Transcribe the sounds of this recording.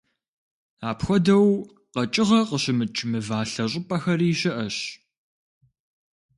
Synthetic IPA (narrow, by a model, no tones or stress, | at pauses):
aːpxʷɔdɐw | qɐt͡ʃʼɪʁɐqəɕɪmɨt͡ʃʼmɨvaːɬɐɕʼɪpʼɐxɐriːɕɐʔɐɕ